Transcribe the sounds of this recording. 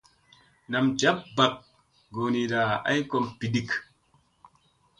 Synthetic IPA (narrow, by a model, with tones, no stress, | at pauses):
na˨md͡ʒa˦p̚ba˨k̚ | ɡo˨ni˨da˨a̰˦jko˦˨mpi˨di˦˨k